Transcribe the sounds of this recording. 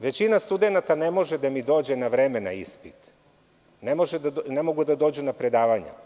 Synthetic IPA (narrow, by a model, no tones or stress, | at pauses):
ʋe̞t͡ɕinast̪ud̪e̞nat̪anemo̞ʒed̪amid̪o̞ːd͡ʑe̞naʋɾemena̰ispit̪ | nemo̞ʒed̪nemo̞ɡud̪ad̪o̞ːd͡ʑunapɾed̪aːʋaɲa̰